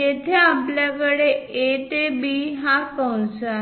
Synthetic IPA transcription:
et̪ʰeapljakəɽeet̪ebiɦakəwnsa

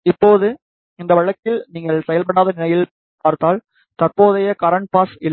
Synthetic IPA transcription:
ɪpːoːðɯ | ɪnd̪ɐʋɐɻɐkːɪlniːŋɡɐɭsɛjɐlp̬ɐɽaːðɐnɪnɐjɪl | paːɾt̪aːl | t̪ɐɾpoːðɐjɐkɐɾɐɳʈ̚paːsɪlː

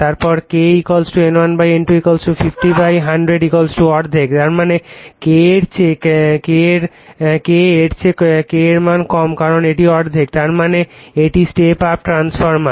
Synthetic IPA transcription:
t̪aɾpɔɾkeikolsʈuenanbajeɳʈuikolsʈufifʈibajɦaɳɖɾeɖikolsʈuɔʈd̪ʱektaɾmanekeeɾt͡ɕʰekkeɾ | keeɾt͡ɕʰekeɾmankɔmkaɾoneʈiɔʈd̪ʱekt̪aɾmaneeʈisʈepap̚ʈɾansfɔɾma

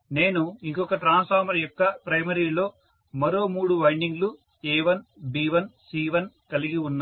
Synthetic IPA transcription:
ne̞ːnuiŋkɔkɐʈɾaːnspaːɾmɐɾjɔkːɐpɾɐjmɐɾiːlo̞ː | mɐɾo̞ːmuːɽuʋɐjɳɖiŋɡlu | ɛːʋɐnbiːʋɐnsiːʋɐnkɐliɡiunːaː

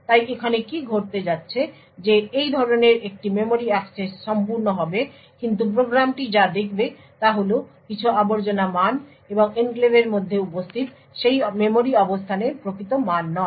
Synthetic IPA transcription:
t̪ajekʰanekiɡʱoɾt̪ed͡ʑatːɕʰe | d͡ʑeejd̪ʱɔɾoneɾek̚ʈimemoɾiaksesːɔmpuɾnoɦɔbe | kint̪̬up̬ɾoɡɾamʈid͡ʑad̪ekʰbe | t̪aɦolokit͡ɕʰuaboɾd͡ʑonaman | eboŋenklebeɾmod̪ʱːeupost̪ʰit̪ | ʃejmemoɾiɔbost̪ʰaneɾpɾokʰit̪omanːɔ

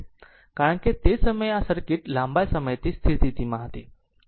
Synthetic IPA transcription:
kaɾəɳkit̪esəməjasəɾkiːʈlambajsəməjt̪iːst̪ʰit̪it̪iːmaɦt̪i

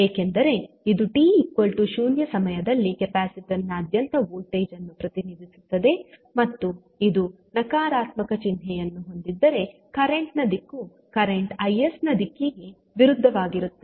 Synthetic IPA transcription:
eːkend̪ɐɾe̞ | id̪uʈiːikːo̞ɭʈuʃuːnjɐsɐmɐjɐd̪ɐlːikepaːsiʈɐnːɐːd̪jɐnt̪ɐʋuːlʈeːd͡ʒɐnːupɾɐt̪inid̪ʱisu̥t̪ːɐd̪e̞mɐt̪ːu | id̪u | nɐkaːɾaːt̪mɐkɐt͡ʃind̪ʱɛjɐnːuɦo̞nd̪id̪ːɐɾe̞ | kɐɾeɳʈnɐd̪ikːu | kɐɾeɳʈɐjesnɐd̪ikːeɡe | ʋiɾud̪ʱːɐʋaːɡiɾut̪ːe

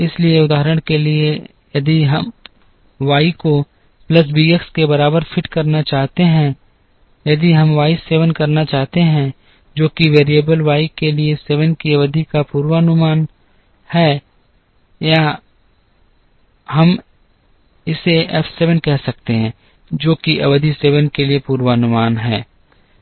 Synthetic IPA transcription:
ɪslieʊd̪aːəɾəɽ̃kelie | jɐd̪iɦɐm | ʋaːiko | plɐs̬biːəkskebɐɾaːbəɾfʰɪʈkɐɾnat͡ʃaːɦt̪eɦɛ̃ | jɐd̪iɦɐmʋaːɪseːʋənkɐɾnat͡ʃaːɦt̪eɦɛ̃ | d͡ʒoːkiʋeːɾijəbəlʋaːikelieseːʋənkiʋɐd̪ʱikapuːɾwanʊmaːn | hɛː | ja | hɐm | ɪseɛfʰseːʋənkɛɦsɐk̚t̪eɦɛ̃ | d͡ʒoːkiʔɐʋəd̪ʱiseːʋənkeliepuːɾwanʊmaːnɦɛː

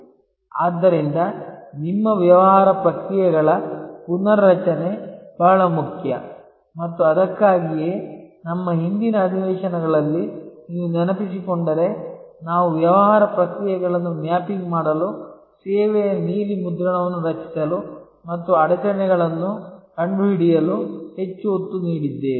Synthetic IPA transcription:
aːd̪ːɐɾind̪ɐnimːɐʋjɐʋɐɦaːɾɐpɾɐkɾijɐɡɐɭɐpunɐɾːɐt͡ʃɐneb̥aːɐɭɐmukʰjɐ | mɐt̪ːuɐd̪ɐkːaːɡijeːnɐmːɐɦind̪inɐːd̪ʱiʋɛːʂɐnɐɡɐɭɐlːiind̪unɐnɐpisikoɳɖɐɾe̞ | naːʋuʋjɐʋɐɦaːɾɐpɾɐkɾijɐɡɐɭɐnːunjaːpiɡmaːɽɐlu | sɛːʋɛjɐniːlimud̪ɾɐɳɐʋɐnːuɾɐt͡ʃi̥sɐlu | mɐt̪ːuɐɽɐt͡ʃɐnɛɡɐɭɐnːukɐɳɖuɦiɽijɐluhe̞t͡ʃːuot̪ːuniːɽid̪ːeː

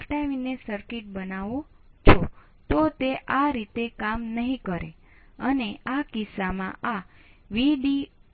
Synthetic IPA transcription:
ʈajʋinesəɾkiʈ̚bənaʋõ | t͡ʃʰo | t̪ot̪eʔaɾit̪ekamnəɦĩkəɾḛ | əneakisamã̰aʋiɖi

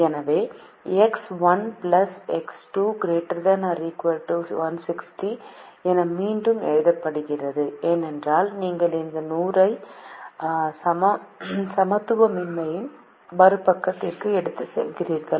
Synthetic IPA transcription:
ɛnɐʋeː | ɛksʋɐnplɐsɛksʈuːɡɾeːʈːɐɾd̪ɐnɐɾikʋɐɾʈuːsʋɐnsɪksʈi | ɛnɐmiːɳɖɯmɛ̰ɻɯðɐpːɐɽɯɣɪrɐðɯeːnɛndraːlniːŋɡɐɭɪnd̪ɐnuːɾɐɪ | sɐmɐsɐmɐt̪ːɯʋɐmɪnmɐjɪn | bɐɾɯpːɐkːɐt̪ːɪrkɯɛɽɯt̪ːɯsɛ̰lkɪɾiːɾkɐ

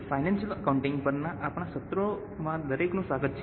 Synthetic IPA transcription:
fajnãnʃələkauɳʈɪŋɡpəɾnãʔapɽ̃aʃət̪ɾo | mãd̪əɾeknũsaɡət̪t͡ʃʰ

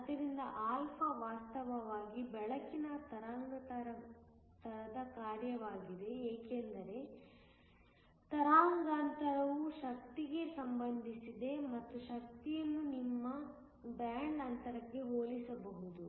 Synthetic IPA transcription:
ɐd̪ɐɾind̪ɐʔaːlpʰɐʋaːst̪ɐʋɐʋaːɡibɛɭɐkinɐt̪ɐɾaːŋɡɐt̪ɐɾɐ | t̪ɐɾɐd̪ɐkaːɾjɐʋaːɡid̪e̞eːkend̪ɐɾe̞ | t̪ɐɾaːŋɡaːnt̪ɐɾɐʋuʃɐk̚t̪iɡe̞sɐmbɐnd̪ʱisid̪e̞mɐt̪ːuʃɐk̚t̪ijɐnːunimːɐ | baːɳɖɐnt̪ɐɾɐkːe̞ɦoːlisɐbɐɦud̪u

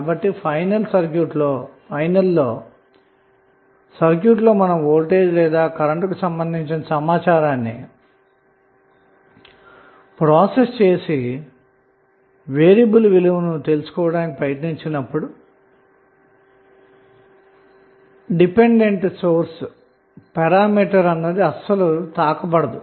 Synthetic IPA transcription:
bɐʈːipʰɐjnɐlsɐɾkjuːʈloː | ɐjnɐlːoː | sɐɾk̬juːʈ̬lo̞ːmɐnɐmoːlʈe̞ːd̪ilɛːd̪aːkɐɾɐɳʈkusɐmbɐnd̪ʱiɲt͡ʃinɐsɐmaːt͡ʃaːɾaːnːḭ | pɾaːsest͡ʃe̞ːsi | ʋe̞ːɾjɐbɐlʋiluʋɐnut̪e̞lusu̥kɔːʋɐɽaːnikipɾɐjɐʈniɲt͡ʃinɐpːuɽu | ɖipe̞ɳɖe̞ɳʈso̞ːɾs | pɛɾaːmiːʈɐɾɐnːɐd̪iɐsɐlut̪aːkɐbɐɽɐd̪u

